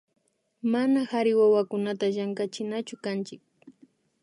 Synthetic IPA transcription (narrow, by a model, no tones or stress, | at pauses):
manahaɾɪwawakʊnat̪aʒaŋkat͡ʃɪnat͡ʃʊkant͡ʃɪk̚